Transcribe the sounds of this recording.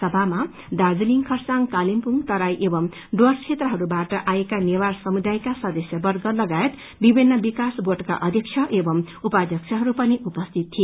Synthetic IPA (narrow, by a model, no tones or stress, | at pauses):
sʌbʱama | d̪ad͡ziliŋkʰʌrsaŋkalimpuŋt̪ʌɾajʔebʌm | ɖwʌrt͡ʃʰet̪rʌɦʌɾubaʈʌʔajekanewarsʌmud̪ajkasʌd̪ʌsjʌbʌrɡʌlʌɡaet̪ | bibʱinːʌbikasboʈka̰ʔʌd̪ʱik̚t͡ʃʰʌʔebʌm | upad̪ʱjʌk̚t͡sʰʌɦʌɾupʌniupʌst̪ʰit̪ːʰie